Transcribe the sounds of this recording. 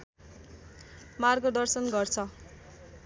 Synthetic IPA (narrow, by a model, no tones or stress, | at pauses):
marɡʌd̪ʌrsʌnɡʌrt͡sʰʌ